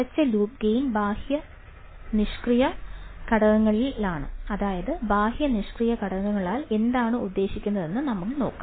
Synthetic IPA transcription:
ɐt͡ɕːɨluːp̚ɡejnbʱaːhjɐ | niʂkrijɐkɐɽɐɣɐŋːɐɭilaːɳɨ̰ɐðaːjɐðɨbʱaːhjɐniʂkrijɐkɐɽɐɣŋɐŋːɐɭaːle̞nd̪aːɳɨud̪ːe̞ːɕikʲːunːɐðe̞nːɨnɐmukːɨno̞ːkːa̰

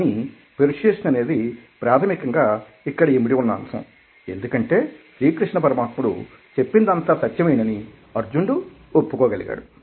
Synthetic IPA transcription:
ɐni | peɾiʂeːʂɐnɐne̞ːd̪ipɾaːt̪ʰɐmikɐŋɡaː | ikːɐɽɐimiɽiʋunːɐɐ̰msɐ̰̃ | e̞̰nd̪ukɐɳʈe̞ːʃɾiːkɾiʂɳɐpɐɾɐmaːt̪muɽṵ | t͡ʃe̞pːind̪ɐnt̪asɐt̪jɐmɐjinɐni | ɐɾd͡ʒuɳɖu | opːukɔːɡɐliɡa̰ːɽu

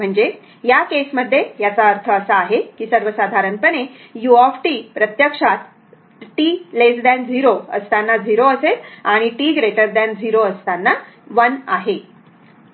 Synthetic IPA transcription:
m̤əɳd͡ze | jakesməd̪ʱːjejat͡saəɾt̪ʰəːsəaɦekiːsəɾʋəsad̪ʱaɾənpəne | juɔfʈiːpɾət̪jəkʂat̪ | ʈiːlesd̪and͡ziɾoə̰st̪anːad͡ziɾoəset̪aɽ̃iʈiɡɾeʈəɾd̪and͡ziɾoəst̪anːa | ʋənaɦe

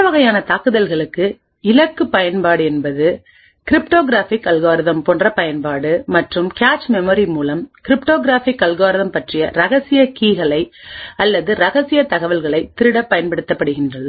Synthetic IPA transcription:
pɐʋɐɣɐjaːnɐt̪aːkɯðɐlɣɐɭɯkːɯ | ɪlɐkːɯpɐjɐnpaːɽɯɛnbɐðɯ | kɪɾɪpʈoːɣɪɾaːfɪkːɐlɣaːɾɪðɐmpɔndrɐpɐjɐnpaːɽɯmɐʈrɯmkaːt͡ʃmɛmoːɾimuːlɐmkɪɾɪpʈoːɣɪɾaːfɪkːɐlɣaːɾɪðɐmpɐʈrɪjɐɾɐɣɐsɪjɐkiːɣɐɭɐɪɐlːɐðɯɾɐɣɐsɪjɐt̪ɐɣɐʋɐlɣɐɭɐɪt̪ːɪɾɯɽɐpːɐjɐnpɐɽɯt̪ːɐpːɐɽɯɣɪndrɐ

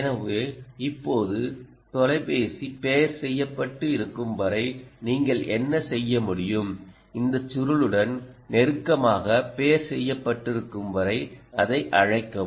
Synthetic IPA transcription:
nɐʋɯɪpːoːðɯ | t̪ɔlɐɪpeːsipeːɾsɛjːɐpːɐʈːɯɪɾɯkːɯmbɐɾɐɪniːŋɡɐɭʔɛnːɐsɛjːɐmʊɽɪjɯm | ɪnd̪ɐt͡ʃːʊɾɯɭɯɽɐnnɛɾɯkːɐmaːɣɐpeːɾsɛjːɐpːɐʈːɪɾɯkːɯmʋɐɾɐɪɐðɐɪʔɐɻɐɪkːɐm

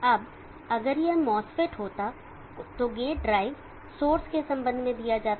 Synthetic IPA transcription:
ɐb | ɐɡəɾjeɦmɔːsfeʈɦoːt̪a | t̪oɡeːɖɾaːɪʋ | soːɾskesɐ̃mbə̃nd̪ʱmẽd̪ijad͡ʒaːt̪

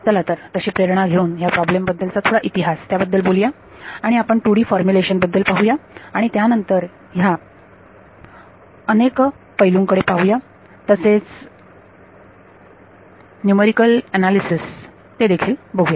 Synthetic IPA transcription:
d͡zəlat̪əɾt̪əɕiːpɾeɾɳ̃aɡʱeuːnɦjapɾɔblembəd̪ːəlt͡sat̪ʰoɽaʔit̪iɦast̪jabəd̪ːəlboljaː | ɽ̃iapəɳʈuɽiːfɔɾmjuleɕənbəd̪ːəlpaɦujaaɽ̃it̪janənt̪əɾ | ja | ənek | pəɦiluŋkəɽepaɦuja | t̪əset͡s | njumeɾikəlɛnalisis | t̪ed̪ekʰiːlbəɡʱuja

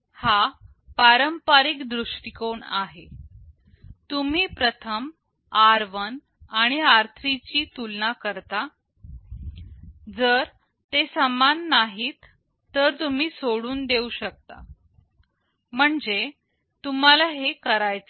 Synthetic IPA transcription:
ha | paɾəmpaɾikd̪ɾuʂʈikoɳa̰ɦe | t̪um̤iːpɾət̪ʰəm | aɾʋən | aɽ̃iaɾt̪ʰɾit͡ɕiːt̪ulnakəɾt̪a | d͡zəɾ | t̪esəmanːaɦiːt̪ː | əɾt̪um̤iːsoɽuːnd̪euɕək̚t̪a̰ | m̤əɳd͡ze | t̪um̤alaɦekəɾajt͡sə

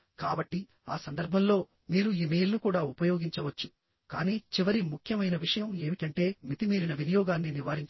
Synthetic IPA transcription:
kaːbɐʈːi | aːsɐnd̪ɐɾbʱɐmlo̞ː | miːɾuiːmeːjlnukuːɽaːupɐjo̞ːɡiɲt͡ʃɐʋɐt͡ʃːu̥ | kaːniːt͡ʃiʋɐɾimukʰjɐmɐjnɐʋiʂɐjɐme̞ːmiʈɐɳʈe̞ːmit̪imiːɾinɐʋinɐjɔːɡaːnːiniʋaːɾiɲt͡ʃ

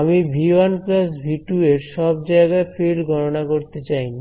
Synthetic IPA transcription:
amibʱianklasbʱiʈueɾʃɔbd͡ʑaeɡaefʰilɡʱɔɾonakoɾt̪et͡ɕaj

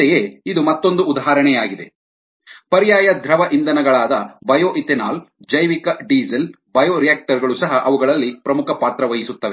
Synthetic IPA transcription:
ɛjeid̪umɐt̪ːo̞nd̪uːd̪aɦaːɾɐɳɛjaːɡid̪e | pɐɾjaːjɐd̪ʱɾɐʋɐʔind̪ɐnɐɡɐɭaːd̪ɐbɐjoːʔit̪enaːl | d͡ʒɐjʋikɐɖiːzɐl | bɐjoːɾijaːk̚ʈɐɾɡɐɭusɐɦɐʔɐʋuɡɐɭɐlːipɾɐmukʰɐpaːt̪ɾɐʋɐɦisut̪ːɐʋe

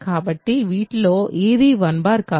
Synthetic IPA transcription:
kaːbɐʈːiʋiːʈloːʔeːd̪iːʋɐnbaːɾkaː

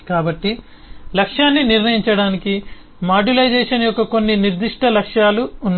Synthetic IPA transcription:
kaːbɐʈːi | lɐkʂjaːnːiniɾnɐjiɲt͡ʃɐɽaːniki | maːɖilɐjd͡ʒeːʂɐnɐjɔkːɐko̞nːiniɾd̪iʂʈʰɐlɐkʂjaːluːnː

